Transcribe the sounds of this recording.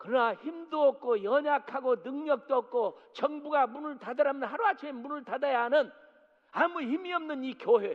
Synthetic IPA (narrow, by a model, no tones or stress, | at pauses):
kɯɾʌnaçimdoʌk̚k͈ojʌɲakʰaɡonɯŋɲʌk̚t͈oʌk̚k͈ot͡ɕʌŋbuɡamunɯɭtadʌɾamjʌnhaɾuat͡ɕʰemunɯɭtadajaɦanɯn | amuçimiʌmnɯnikjoɦe